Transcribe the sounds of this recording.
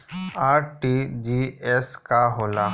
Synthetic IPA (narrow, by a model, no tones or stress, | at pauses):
aːɾʈid͡ʒiɛskaɦoːlaː